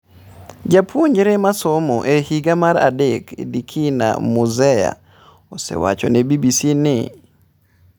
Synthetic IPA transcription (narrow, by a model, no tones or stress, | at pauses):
d͡ʒapʰwoɲd͡ʒɾemasomɔʔehiɡamaɾa̰dekʰḛdikʰina̰muzɛja̰ | osḛwat͡ʃɔnebibisinɪ